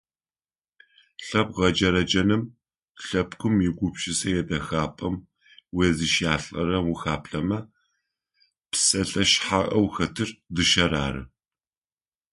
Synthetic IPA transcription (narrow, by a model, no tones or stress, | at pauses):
ɬɐp̚ʁɐd͡ʒɐɾɐd͡ʒɐnɨm | ɬɐpkʷʰʊmjɪɡʷʊpʃʼɪsɐjɛdɐxaːpʼɐm | weːzɨʃjaːɬʼɐ̰ɾɐwʊxaːpɬɐmɐ | psʼɐɬʼɐʃħaʔʼɐwxɐtʰɨrdɨʃɐɾa̰ːɾɨ̰